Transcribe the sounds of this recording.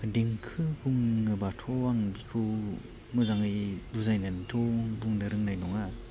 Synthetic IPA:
deŋkʰɯbuŋnɯbatʰɔaŋbikʰɯw | mɯzaŋɯbuzajnantʰɔbuŋdɯɾɯŋnajnɔŋa

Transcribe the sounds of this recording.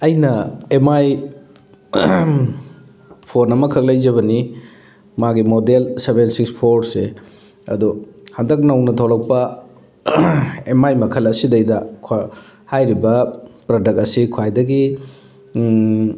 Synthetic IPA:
ɐjnɐemaj | pʰonɐmɐkʰɐk̚lɐjzɐβɐni | maɡimodelsebensikspʰoɾse | ɐ̰duhɐndɐk̬̚nɐwnɐtʰawlɐk̚pɐ | emajmɐkʰɐlɐsidɐjdɐkʰhajɾibɐpɾodɐk̚tɐsikʰwajdɐɡi

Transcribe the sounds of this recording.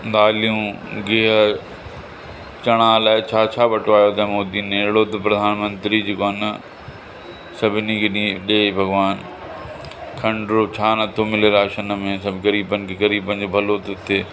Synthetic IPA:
d̪aːlijũɡeɦə | t͡ɕɐɽ̃aːlaːɪt͡ɕʰaːt͡ɕʰaːʋɐʈoaːjot̪ʰɐ̃moːd̪iːnẽɪɽoːt̪pɾɐd̪ʱaːnmə̃nt̪ɾid͡ʑekoən | sɐbʱɪnikʰeɗĩɗeːbʱɐɡʋaːn | kʰɐ̃ɳɖɾot͡ɕʰaːnɐt̪ʰomɪleɾaːʃənəmẽsɐbɡɐɾiːbənɪ̆kʰeɣɐɾiːbə̃nd͡ʑobʱɐlot̪ot̪ʰeː

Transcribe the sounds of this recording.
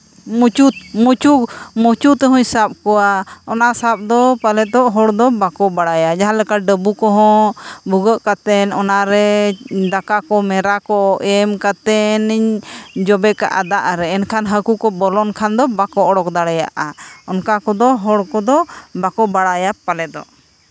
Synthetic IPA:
mut͡ʃut̪̚mut͡ʃumut͡ʃut̪ɛɦũɲsap̚kɔaɔnasap̚d̪ɔpalɛt̪ɔʔɦɔɽd̪ɔbakɔbaɽajad͡ʒaɦãlɛkaɖəbukɔɦɔ̃buɡəʔkat̪ɛnɔnaɾɛd̪akakɔmɛɾakɔɛmkat̪ɛniɲd͡ʒɔbɛka̰ʔad̪aʔaɾɛɛnkʰanɦəkukɔbɔlɔnkʰand̪ɔbakɔʔɔɽɔkd̪aɽaja̰ʔaɔnkakɔd̪ɔɦɔɽkɔd̪ɔbakɔbaɽajapalɛt̪ɔ̰ʔ

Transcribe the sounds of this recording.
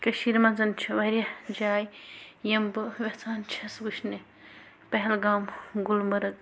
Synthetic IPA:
kɐʃiːɾmɐnzɐnt͡ʃʰɐʋɐɾjɐd͡ʒaːjjɐmbɨʋet͡saːnt͡ʃʰɐsɡuʃne | pɐɦlɡaːmɡulmɐɾɐɡ

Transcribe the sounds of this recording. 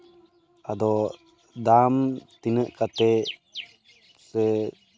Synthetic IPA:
ad̪ɔ | d̪amt̪inəʔkat̪ɛ | sɛ

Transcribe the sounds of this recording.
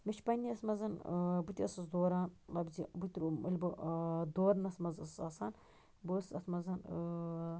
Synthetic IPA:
mɐt͡ʃʰpɐnʲːiɐsmɐzɐnbɨt̪ʲiɐsɐsd̪oːɾaːnɐbzibut̪ʲiɾuɐlʲbɨd̪oːɾnɐsmɐzɐssɐsaːn | bɨsɐt̪ʰmɐzɐn

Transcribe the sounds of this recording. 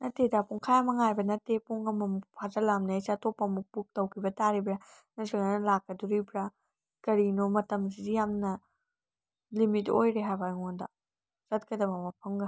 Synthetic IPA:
nɐtedapuŋkʰajamɐŋajbɐnɐtːepuŋɐmɐmupʰazɐlamnɐesatopːɐmuk̚puk̚tɐwkʰibɐtaɾibɾa | nɐsɯŋɐnɐlakːɐduɾibɾa | kɐɾinomɐtɐmsidijamnɐ | limitojɾeɦajbajŋondɐ̰ | sɐt̚kɐdɐmɐmɐpʰɐŋɡɐ

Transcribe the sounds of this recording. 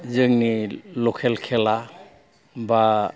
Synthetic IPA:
zɯŋnilɔkʰɛlkʰɛla | ba

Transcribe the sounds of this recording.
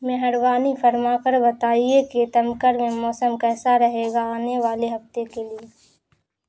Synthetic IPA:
meɦəɾwaːnifʰɐɾmakəɾbɐt̪aːiekit̪ɐmkəɾmẽmɔːsəmkɛːsaɾɐɦeːɡaaːneʋaːleɦɐft̪ekelie

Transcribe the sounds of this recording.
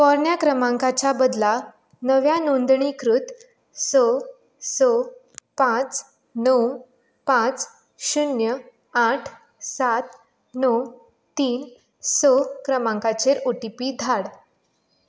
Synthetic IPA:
kɔɾɳjakɾəmãŋkat͡ɕabəd̪la | nəʋjanond̪ɳikʰɾut̪ | sɔ | sɔ | pãt͡s | nəw | pãt͡s | ɕunjə | aʈʰ | sat̪ | nɔw | t̪iːn | sɔkɾəmãŋkat͡ɕeɾoʈipiːd̪ʱaɽ

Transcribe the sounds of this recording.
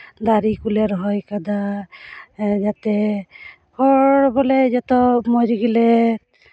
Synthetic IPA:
d̪aɾikuleɾɦɔjkad̪a | d͡ʒat̪ɛ | kʰɔɽbɔlɛd͡ʒɔt̪ɔmɔɾɡilɛ

